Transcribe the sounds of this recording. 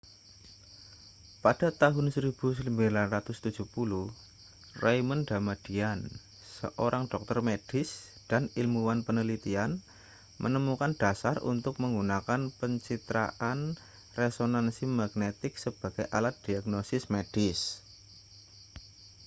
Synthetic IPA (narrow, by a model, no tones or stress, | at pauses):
pad̥a̤t̪aɦʊnsəɾib̥ṳs̬əəmbilanrat̪ʊst̪ud̥d͡ʒ̥uhpuluh | rajmənɖamad̥ian | sə̰ʔoɾʔaŋɖ̥ɔk̚t̪ərmed̥ɪs | d̥anilmuwanpənəlit̪ian | mʔə̰nəmukand̥asarṵnt̪ʊk̚məŋɡunakanpəɲt͡ʃit̪ɾa̰ʔan | resonansimaɡ̥net̪ɪksəb̥a̤ɡ̥ajʔalat̪̚d̥iaɡnosɪsmeɖ̥ɪs